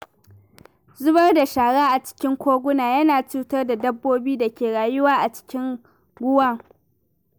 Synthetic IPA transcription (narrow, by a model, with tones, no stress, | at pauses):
zʊ˦bɐ˦rda˨ʃaː˨ɽaː˦ʔa˨t͡ʃɪ̥˦kʲɪ˦ŋkʷoː˦ɡʷʊ˦naː˨jɐ˦naː˨t͡ʃuː˦tɐ˦rda˨dɐ˦bːoː˦biː˦da˨kʲeː˨ɽaː˨jʊ˦waː˦ʔa˨t͡ʃɪ̥˦kʲɪ˦ŋ | ɡʷʊ˦wa˦˨ŋ